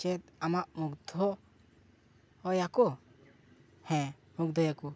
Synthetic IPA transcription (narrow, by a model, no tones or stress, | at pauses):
t͡ʃɛt̪̚amaʔmuɡd̪ʱɔ | jakɔ | hɛ̃ | muk̚d̪ʱɔjaku